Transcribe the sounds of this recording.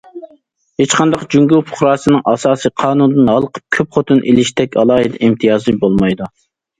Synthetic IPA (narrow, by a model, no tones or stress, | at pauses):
het͡ʃqʰɑnd̪ɑqd͡ʒyŋɡʲulˠpʰʊ̥χɾɑːsɨnɨŋʔɑsɑːsiqʰɑːnund̪ɨnɦɑlˠəqʰə̥p̚kʲʰøp̚χot̪ʰɨnʔelɪʃt̪ɛkʲɑ̰lˠɑːɦɨd̪ɛ̰ʔimt̪ʰijɑːzɨbolˠmɑjd̪u